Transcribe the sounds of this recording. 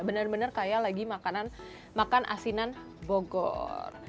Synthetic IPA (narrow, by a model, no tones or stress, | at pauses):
bənərbənərkajalaɡimakanan | makanʔa̰sinan | boɡɔ̰r